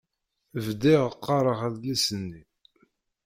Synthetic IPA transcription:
vd̪iʁəqːɑɾˤəʁæðlæsənːi

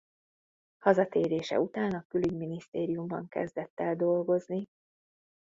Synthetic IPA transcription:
hɒzɒt̪eːɾeːʃɛ̰ut̪aːnɒkylyɡminist̪eːɾijumbɒ̰ŋkɛ̰zd̪ɛt̪ːɛld̪o̞lɡo̞zni

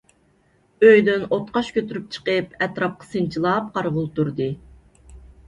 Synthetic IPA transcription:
øjd̪ynot̪qɑʃkʲøt̪yɾyp̚t͡ʃʰə̥qəpɛt̪ɾɑp̚qʰɑ̥sɨnt͡ʃʰilˠɑp̚qʰɑɾʁʊlˠt̪uɾd̪ɨ

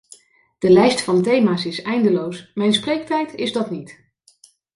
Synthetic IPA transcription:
d̥əlɛjstfɑntejmaːsɪsɛjndəlowsmɛjnsprejk̚tɛjtɪzdɑtnit

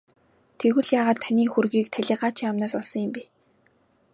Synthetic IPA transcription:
t̪ʰeɣwɘ̆ɮjaːʁaːt̪ʰːanʲiːxurɣiːk̚t̪ʰæɮʲɪ̆ːɢaːt͡ɕʰiŋamnaːsɔɮsɞ̆ŋjɪ̆mpi

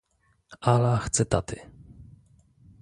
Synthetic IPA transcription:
alaxt̪sɨt̪at̪ɪ̰

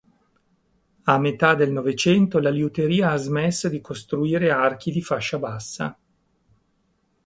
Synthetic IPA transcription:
amːet̪ad̪elnɔvet͡ʃɛnt̪olaliut̪eɾiːaazmɛsːod̪ikʰost̪ɾuiːɾeark̟ʰid̪ifaʃːabasːa̰

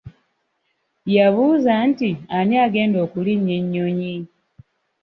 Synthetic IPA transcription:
jaβuzantianjaːɡe̞ːndo̞ːkuliɲːeɲːoɲi

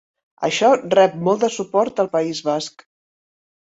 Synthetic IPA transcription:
ə̰ʃɔrɛp̚mɔlˠd̪əsupɔɾt̪əlˠpəizβask

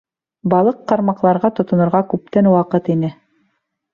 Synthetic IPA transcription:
bɑlˠɤqːɑɾmɑqlˠɑɾʁɑt̪ŏt̪ŏnŏɾʁɑkʉp̚t̪ænwɑqɤt̪inɘ

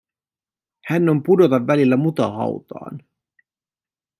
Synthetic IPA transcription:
hænːo̞mpudo̞t̪ɑʋːælilːæmut̪ɑ̰hɑ̰wt̪ɑ̰ːn

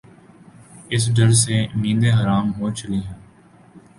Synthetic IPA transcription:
ɪs̬ɖəɾseːmĩːnd̪eːɦəɾaːmɦoːt͡ʃəliːɦɛ̃ː

